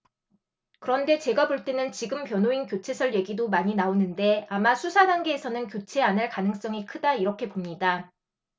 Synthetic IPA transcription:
kɯɾʌnde̞t͡ɕe̞ɡaboɭt͈e̞nɯnt͡ɕiɡɯmpjʌnoinkjot͡ɕʰe̞sʰʌɭje̞ɡidomaɲinaonɯnde̞amasʰusʰadaŋɡe̞ːsʰʌnɯnkjot͡ɕʰe̞anaɭkanɯŋs͈ʌŋikʰɯdaiɾʌkʰe̞pomɲida

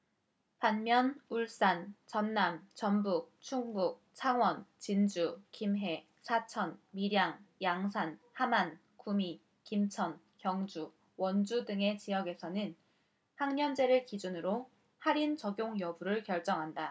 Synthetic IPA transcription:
panmjʌnuɭs͈ant͡ɕʌnːamt͡ɕʌnbuk̚t͡ɕʰuŋɡuk̚t͡ɕʰaŋwʌnt͡ɕind͡ʑukimɦe̞ | sʰat͡ɕʰʌnmiɾjaŋjaŋs̬ʰanhaman | kumi | kimt͡ɕʰʌn | kjʌŋd͡ʑu | wʌnd͡ʑudɯŋe̞t͡ɕijʌɡe̞sʰʌnɯn | haŋɲʌnd͡ʑe̞ɾɯɭkid͡ʑunɯɾo | haɾint͡ɕʌɡjoŋjʌbuɾɯɭkjʌɭt͡ɕ͈ʌŋɦanda

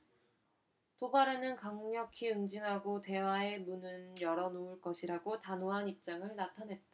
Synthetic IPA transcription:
tobaɾenɯnkaŋɲʌkʰiɯŋd͡ʑiŋɦaɡote̞wae̞munɯnjʌɾʌnouɭk͈ʌɕʰiɾaɡotanoɦanip̚t͡ɕ͈aŋɯɭnatʰanɦe̞t̚t͈a

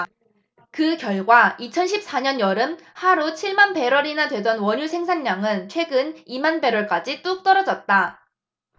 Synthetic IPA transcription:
kɯkjʌɭɡwait͡ɕʰʌnɕʰip̚s͈aɲʌnjʌɾɯmhaɾut͡ɕʰiɭmanpe̞ɾwʌɾinadwe̞dʌnwʌɲusʰe̞ŋsʰanːaŋɯnt͡ɕʰwe̞ɡɯnimanbe̞ɾwʌɭk͈ad͡ʑit͈uk̚t͈ʌɾʌd͡ʑʌt̚t͈a

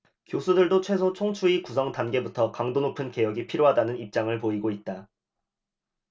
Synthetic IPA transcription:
kjosʰudɯɭdot͡ɕʰwe̞sʰot͡ɕʰoŋt͡ɕʰuikusʰʌŋtanɡe̞butʰʌkaŋdonopʰɯnke̞jʌɡipʰiɾjoɦadanɯnip̚t͡ɕ͈aŋɯɭpoiɡoit̚t͈a

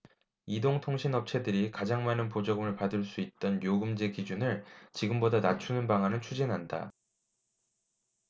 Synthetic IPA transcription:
idoŋtʰoŋɕʰinʌp̚t͡ɕʰe̞dɯɾikad͡ʑaŋmanɯnpod͡ʑʌɡɯmɯɭpadɯɭs͈uit̚t͈ʌnjoɡɯmd͡ʑekid͡ʑunɯɭt͡ɕiɡɯmbodanat͡ɕʰunɯnpaŋanɯnt͡ɕʰud͡ʑinɦanda̰

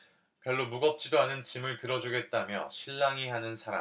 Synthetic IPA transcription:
pjʌɭːomuɡʌp̚t͡ɕ͈idoɦanɯnt͡ɕimɯɭtɯɾʌd͡ʑuɡe̞t̚t͈amjʌ̰ɕʰiɭːaŋiɦanɯnsʰaɾa̰m

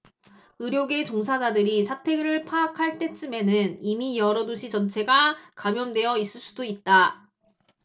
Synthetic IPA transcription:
ɯɾjoɡe̞t͡ɕoŋs̬ʰad͡ʑadɯɾisʰatʰe̞ɡɯɾɯɭpʰaːkʰaɭt͈e̞t͡ɕ͈ɯme̞nɯnimijʌɾʌdoɕʰid͡ʑʌnt͡ɕʰe̞ɡakamjʌndwe̞jʌis͈ɯɭs͈u̥doit̚t͈a

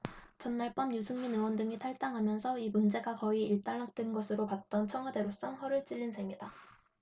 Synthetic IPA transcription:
t͡ɕʌnːaɭp͈ʌmjusʰuŋminɯwʌndɯŋitʰaɭt͈aŋɦamjʌnsʰʌimund͡ʑe̞ɡakʌiiɭt͈aɭːak̚t͈wenɡʌsʰɯɾopat̚t͈ʌnt͡ɕʰʌŋɦwade̞ɾos͈ʌŋɸʌɾɯɭt͡ɕ͈iʎːinsʰemɲida

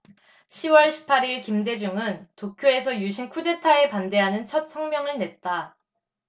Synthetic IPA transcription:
ɕʰiwʌɭɕʰi̥pʰːaɾiɭkimde̞d͡ʑuŋɯntokʰjoe̞sʰʌjuɕʰinkʰude̞tʰae̞pande̞ɦanɯnt͡ɕʰʌt̚sʰʌŋmjʌŋɯɭnet̚t͈a

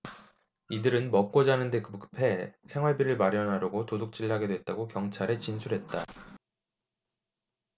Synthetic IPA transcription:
idɯɾɯnmʌk̚k͈od͡ʑaɦnɯnde̞kɯpk͈ɯpʰe̞sʰeŋwaɭbiɾɯɭmaɾjʌnɦaɾoɡotodok̚t͡ɕ͈iɭɦaɡe̞dwe̞t̚t͈aɡokjʌŋt͡ɕʰaɾet͡ɕinsʰuɾɦe̞t̚t͈a

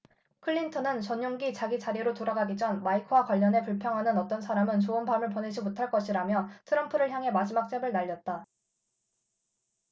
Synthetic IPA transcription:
kʰɯʎːintʰʌnɯnt͡ɕʌɲjoŋɡit͡ɕaɡit͡ɕaɾiɾotoɾaɡaɡid͡ʑʰʌnmaikʰwakwaʎːʌne̞puɭpʰjʌŋɦanɯnʌt͈ʌns̬ʰaɾamɯnt͡ɕoɯnbamɯɭp̬one̞d͡ʑimotʰaɭk͈ʌɕʰiɾamjʌtʰɯɾʌmpʰɯɾɯɭçjaŋɦe̞mad͡ʑimak̚t͡ɕ͈ebɯɭnaʎːʌt̚t͈a

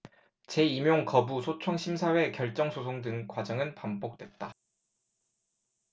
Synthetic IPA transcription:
t͡ɕe̞imjoŋkʌbusʰot͡ɕʰʌŋɕʰimsʰawe̞kjʌɭt͡ɕ͈ʌŋsʰosʰoŋdɯŋkwad͡ʑʌŋɯnpambok̚t͈we̞t̚t͈a

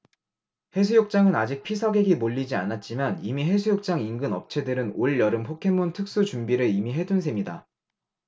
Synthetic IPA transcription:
he̞s̬ʰujok̚t͡ɕ͈aŋɯnad͡ʑik̚pʰisʰʌɡe̞ɡimoʎːid͡ʑianat̚t͡ɕ͈imanimiɦe̞sʰujok̚t͡ɕ͈aŋinɡɯnʌ̰p̚t͡ɕʰe̞dɯɾɯnoɭːjʌɾɯmpʰokʰe̞mːontʰɯk̚s͈ut͡ɕumbiɾɯimiɦe̞dunsʰemɲida

